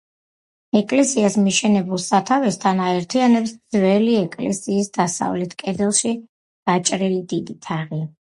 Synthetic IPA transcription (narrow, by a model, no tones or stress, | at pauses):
ɛkʼlɛsiasmiʃɛnɛbulˠsat̪ʰavɛst̪ʰanaɛɾt̪ʰianɛpsd̪z̥vɛliɛkʼlɛ̰siːsd̪asa̰vlɛt̪ʰkʼɛd̪ɛlˠʃi | ɡ̥at͡ʃʼɾilid̪id̪it̪ʰaʁi